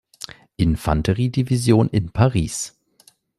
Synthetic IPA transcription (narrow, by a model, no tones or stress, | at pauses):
ʔɪnfantʰəʁiːdivizjoːnɪnpʰaʁiːs